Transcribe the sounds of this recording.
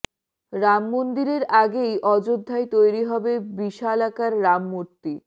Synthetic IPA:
ɾamːond̪iɾeɾaɡejʔɔd͡ʑod̪ʱːaet̪ojɾiɦɔbebiʃalakaɾːamːuɾt̪i

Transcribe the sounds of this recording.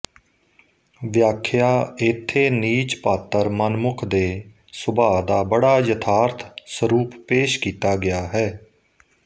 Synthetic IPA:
ʋjaːkʰjaːɪt̪ʰːeːniːt͡ʃpaːt̪əɾmənmʊkʰd̪eː | sʊbaːd̪aːbəɽaːjət̪ʰaːɾt̪ʰsəɾuːpːeːʃkiːt̪aːɡɪjaːɦɛː

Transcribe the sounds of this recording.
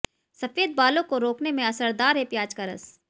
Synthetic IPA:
sɐfeːd̪̚baːlõkoɾoːknemẽɐsəɾd̪aːɾɦɛpjaːd͡ʒkəɾə̰s

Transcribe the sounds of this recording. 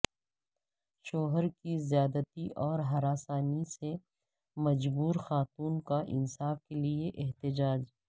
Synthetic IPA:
ʃoːɦəɾkizjaːd̪ət̪iʔɔːɾɦɐɾaːsaːnise | mɐd͡ʒbuːɾxaːt̪uːnkaʔɪ̰nsaːfkelieʔɪɦt̪ɪd͡ʒaːd͡ʒ

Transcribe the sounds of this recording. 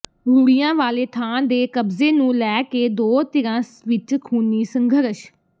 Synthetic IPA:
ɾuːɽijãːʋaːleːt̪ʰaːnd̪eːkəbzeːnũːlɛːkeːd̪oːt̪ɪɾãːsʋɪt͡ʃkʰuːniːsəŋɡʱəɾʃ

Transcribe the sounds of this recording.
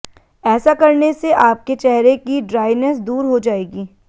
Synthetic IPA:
ɛːsakɐɾneseʔaːp̚ket͡ʃɛɦɾekiɖɾaːɪnəsd̪uːɾɦod͡ʒaːeːɡiː

